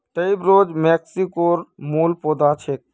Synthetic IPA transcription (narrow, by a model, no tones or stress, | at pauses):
ʈəibɾoːd͡ʒmeksikoɾmuːlpod̪at͡ʃʰek̚